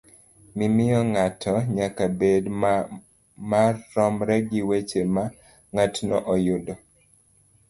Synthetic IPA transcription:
mimɪjɔŋatʰɔɲakabed | marːɔmɾɛɡiwet͡ʃema | ŋatnɔʔɔjudɔ

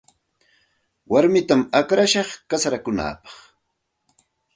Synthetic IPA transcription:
waɾmɪt̪amakɾaʃɑχkasaɾakʊna̰ːpɑ̥χ

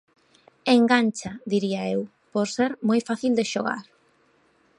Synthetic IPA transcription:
eŋɡant͡ʃad̪iɾiaew | poɾseɾmojfaθild̪eʃoɣa̰ɾ

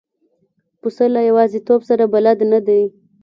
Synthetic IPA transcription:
pusəlajawɑzet̪obsaɾabalad̪nad̪aj

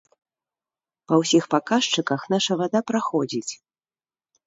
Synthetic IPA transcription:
pɐwsʲixpakaʂt͡ʂɨkɐxnaʂɐvad̪apɾaxɔd͡zʲit͡sʲ

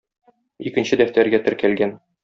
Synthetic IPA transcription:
ikɘ̆nɕɘd̪æft̪æɾɡæt̪ɘ̆ɾkælɡæn

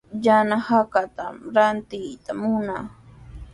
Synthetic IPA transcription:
ʎanahakat̪a̰mɾant̪ɪjt̪amʊna

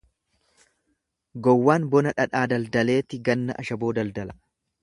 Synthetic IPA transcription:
ɡɔwːaːnbɔnɐᶑɐᶑaːd̪ɐld̪ɐle̞ːt̪ɪɡɐnːɐ̰ʔɐʃɐbo̞ːd̪ɐld̪ɐlɐ̥

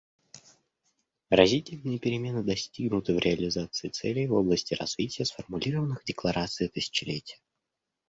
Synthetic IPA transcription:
ɾɐzʲitʲɪlʲnɨjəpʲɪɾʲɪmʲe̞nɨd̪ɐsʲtʲiɡnʊt̪ɨvɾʲɪɐlʲɪzat̪sɨɪt̪sɛlʲɪjvoblˠəsʲtʲɪrɐ̰zvʲitʲɪjəsfərmʊlʲiɾəvənːɨxdʲɪklˠɐɾat̪sɨjt̪ɨsʲɪ̥t͡ɕɪlʲetʲɪjə

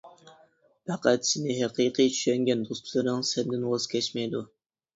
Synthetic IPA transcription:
pɑqæt̪sɪnɪɦæqʰiqʰijt͡ʃʰy̥ʃɛŋɡʲɛnd̪ost̪ʰlˠɨɾɨŋsɛnd̪ɪnwɑzkʲʰɛt͡ʃmɛjd̪u

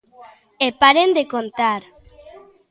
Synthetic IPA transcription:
epaɾend̪ekont̪aɾ

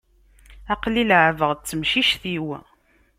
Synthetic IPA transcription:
æqliləʕvəʁt͡sːəmʃiʃθiw

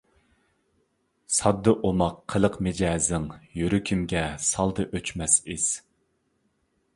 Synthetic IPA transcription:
sɑd̪ːɨʔomɑqʰːəlˠəqmɪd͡ʒɛːzɪŋjyɾykʲʰimɡʲɛsɑlˠd̪ɨʔøt͡ʃmɛsiz̥

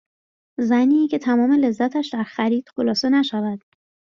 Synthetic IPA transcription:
zæniːcʰe̞t̪ʰæmɒːme̞le̞zːæt̪ʰæʃd̪æɾxæɾiːd̪̥xolɒːse̞næʃævæd̪̥

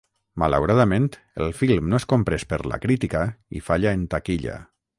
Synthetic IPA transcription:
malawɾaðamẽnt̪ | əlˠfilˠmnoeskompɾespəɾla̰kɾit̪ikaḭfaʎaent̪akiʎa̰

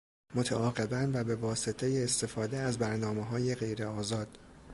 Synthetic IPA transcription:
mo̞t̪ʰæʔɒːɣe̞bænvæbe̞vɒːset̪ʰe̞jeːst̪e̞fɒːd̪eæzbæɾnɒːmeɦɒːjeɣe̞jɾe̞ɒːzɒːd̪̥

